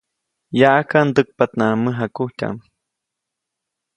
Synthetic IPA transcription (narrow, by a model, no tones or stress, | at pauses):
jaʔakand̪ək̚pat̪naməɦakuhcʲa̰ʔm